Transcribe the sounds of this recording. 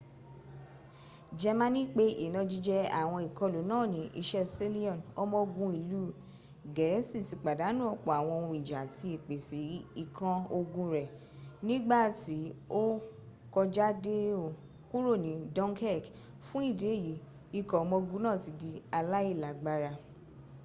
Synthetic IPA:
d͡ʒɛ˧mã˧˦nĩ˦k͡pe˦ʔe˨nɔ̃˨˧˦d͡ʒi˧d͡ʒɛ˧a̰˨w̃ɔ̃˧i˨kɔ̃˧lu˨˦nãː˦˨nĩ˨˦ʔḭ˧ʃɛ˦se˦li˦ɔ̃˦˨nɔ˦mɔ̃˧ɡũ˧˦i˨lu˨˦ | ɡɛ˨˦sĩ˦˨ti˨˧k͡pa˨da˨˦nũ˦ɔ˦˨k͡pɔ˨a˨w̃ɔ̃˧o˧wũ˧˨i˨d͡ʒa˨ti˧e˨k͡pe˨si˨˦i˦˨kã˧o˧ɡũ˧ɾɛ˨ | nĩ˦ɡ͡ba˦˨ti˨˦o˦ | kɔ˧d͡ʒa˦de˦o˨ | ku˦ɾo˦˨nĩ˨˦dɔ̃˦ŋkɛ˦˨k | fũ˦i˦˨de˨˦˨ji˨˦ | i˧˨kɔ˨˦mɔ̃˧ɡũ˦nãː˦˨ti˨˧di˧a˧la˦i˦˨la˨ɡ͡ba˧ɾa˧

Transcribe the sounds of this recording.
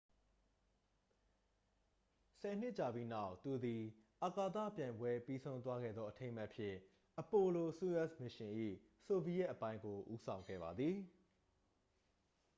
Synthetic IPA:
sɛ˨n̥ɪ˦ʔt͡ɕa˨bi˦na˦˨ʊt̪u˨d̪i˨ʔa˨ka˨t̪ä̰˦˨pjã˨ɪ̃mbwɛ˦pi˦sʰõ˦ʊ̃t̪wa˦ɡɛ̰˦˨d̪ðɔ˦ʔətʰẽ˦ɪ̃ma˦ʔpʰjɪ̰̃˦˨ | ʔəpo˨lo˨su˦ɛ˦smɪ˨ʃɪ̃˨ʔḭ˦˨ | so˨bi˨jɛ˦ʔəpã˦ɪ̃ŋɡo˨ʔu˦sʰã˨ʊ̃ŋɡɛ̰˦˨ba˨d̪ði˨

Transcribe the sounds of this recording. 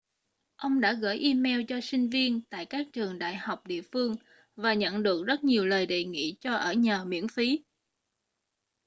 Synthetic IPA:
ʔə˧wŋ͡mɗa̰ː˧˥ɣə̰ː˧˥jʔi˧mɛ˧wt͡ɕɔ˧sï˧ŋ̟vi˧ənt̪a̰ː˧˨jkaː˦˥k̚t͡ɕɨ˨˩əŋɗa̰ː˧˨jha˨˩wk͡p̚ɗḭ˧˨əfɨ˧əŋ | vaː˨˩ɲə̰˧˨nɗɨ˨˩ək̚zə˦˥t̚ɲi˨˩əwləː˨˩jɗe˨˩ŋḭ˧˨t͡ɕɔ˧ʔəː˧˩ɲaː˨˩mḭ˧˥ənfi˨˦

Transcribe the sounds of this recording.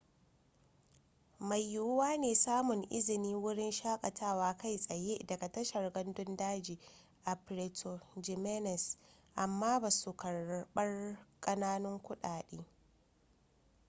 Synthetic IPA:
ma˨jːʊ˦waː˦neː˨saː˦mʊ˨ŋʔɪ̰˦zɪ˨niː˦wʊ˦ɽɪ˦nʃaː˦kʼɐ˨tʰaː˦˨waː˦ka˦jsʼɐ˨je˦dɐ˨ɡa˨tɐ˦ʃɐ˨rɡɐ˦ndʊ˦ndaː˦d͡ʒiː˨ | ʔa˨pɾeː˨tʰo˨d͡ʒi˨mɛ˦nɛ˨s | ʔa˨mːaː˦baː˨su˨kɐ˨rɓɐ˦rkʼɐ˦naː˦nʊ˦ŋkʷʊ˦ɗaː˨ɗeː˦

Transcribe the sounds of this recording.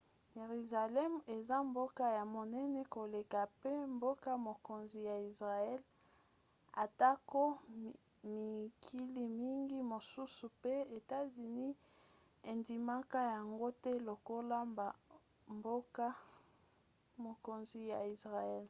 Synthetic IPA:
je˨ʁy˨za˨lɛ˦me˨za˦mbo˦ka˦ja˨mo˨nɛ˦nɛ˦ko˨le˨ka˨pe˦mbo˦ka˦mo˨ko˨nzi˨ja˨i˨sʁa˨ɛ˦l | a˨ta˦ko˦ | mi˨kʰi˦li˨mi˦ŋɡi˦mo˨su˦su˨pe˦e˨ta˦zi˨ni˦ | e˨ndi˨ma˦ka˦ja˨ŋɡo˦tɛ˦lo˨ko˦la˦mba˨ | mbo˦ka˦ | mo˨ko˨nzi˨ja˨i˨sʁa˨ɛ˦˨l

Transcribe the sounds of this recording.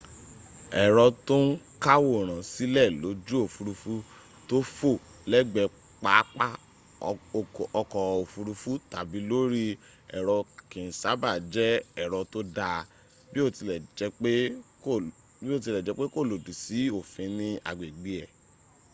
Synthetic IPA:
ɛ˨ɾɔ˧to˦n̩˦ka˦wo˦˨ɾ̃ã˨si˦lɛ˦˨lo˨˦d͡ʒu˦o˦˨fu˨˧ɾu˧fu˦ | to˦fo˦˨ | lɛ˦ɡ͡bɛ˧ | k͡pa˨˦k͡pa˦˨ | ɔ˧kɔ˨o˨fu˧ɾu˧fu˦ta˨bi˨˦lo˦ɾi˦ | ɛ̰˨ɾɔ˧kĩ˨sa˨˦ba˦˨d͡ʒɛ˦ɛ˨ɾɔ˧to˦da˧ | bi˦o˦˨i˧ɛ˨˧e˦ | bi˦o˦˨t̬i˧lɛ˨d͡ʒɛ˨˦k͡pe˦ko˦˨lo˨du˨si˨˦o˦˨fĩ˨˧˦nĩ˧a̰˨ɡ͡be˨ɡ͡bi˨˦ɛ˨

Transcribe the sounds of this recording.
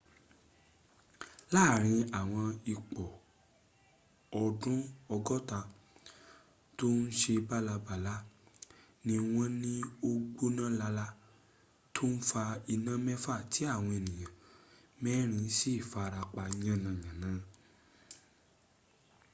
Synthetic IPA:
la˦˨ɾ̃ĩ˧a˨w̃ɔ̃˧i˨k͡pɔ˨ | ɔ˧dũ˦ɔ˧ɡɔ˦ta˧ | to˦n̩˦ʃe˧ba˦la˧ba˨la˦ | nĩ˧w̃ɔ̃˦nĩ˦o˦ɡ͡bo˦nã˦la˧la˦ | tʰo˦n̩˦fa˧i˧nã˦mɛ˦fa˦˨tʰi˨˦a˦˨w̃ɔ̃˧e˨nĩ˨j̃ã˨ | mɛ˦ɾ̃ĩ˧˦si˦˨fa˧ɾa˧k͡pa˧i˧ɲ̃ã˦˨nã˨jã˨nã˨˦

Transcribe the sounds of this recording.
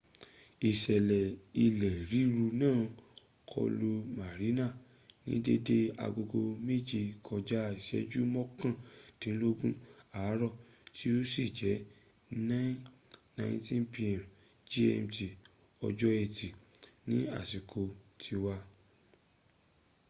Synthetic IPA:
i˨ʃɛ˨lɛ˨i˧lɛ˨ɾi˨˦ɾu˧nãː˦˨ | kʰɔ̰˧lu˧ma˨ɾi˨˦na˦˨ | nḭ̃˨˦de˦de˦a̰˧ɡo˧ɡo˧me˦˨d͡ʒi˧kʰɔ˧d͡ʒa˦˨i˨ʃɛ̰˨˦d͡ʒu˦mɔ̃˦kã˦˨tĩ˦n̩˦lo˦ɡũ˦a˨˦ɾɔ˦˨ | tʰi˦o˦si˦˨d͡ʒɛ˨˦ | nã˦nã˧˦sĩ˦mpi˦˧ã˨m | d͡ʒe˦ɛ˧mti˨ | ɔ̰˧d͡ʒɔ˦ɛ˧˨ti˨nĩ˦a̰˦˨si˨kʰo˧tʰi˧wa˧

